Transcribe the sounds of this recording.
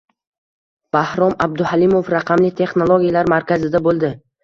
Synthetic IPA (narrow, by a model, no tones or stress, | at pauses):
b̥ahɾɒmab̚d̪ʊhalimofɾaqʰɑmlɪt̪ʰe̞χnolˠoɡʲijalaɾmaɾkʲazɪd̪abolˠd̪ɪ